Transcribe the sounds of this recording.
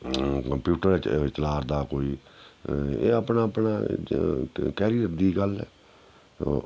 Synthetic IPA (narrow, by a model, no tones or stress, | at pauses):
kəmpjuːʈəɾɛːt͡ʃəlaːɾd̪aːkoːiː | eːəpnaːəpnaː | kɛːɾijəɾd̪iːɡəlɛ̰ː